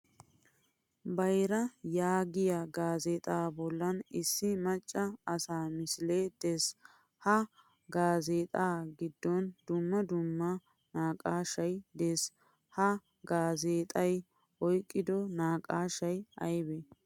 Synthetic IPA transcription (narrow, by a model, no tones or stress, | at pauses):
bɐjɾɐjaːɡɪjɐɡaːzeːt̪ʼaːbɔlːɐnɪsːɪmɐt͡ʃʼːɐɐsaːmɪsɪleːd̪es | hɐ | ɡaːzeːt̪ʼaːɡɪd̪ːɔnd̪ʊmːɐd̪ʊmːɐ | naːkʼaːʃɐjd̪es | hɐ | ɡaːzeːt̪ʼɐj | ʔɔjkʼːɪd̪ɔnaːkʼaːʃɐjʔɐ̰jbɛ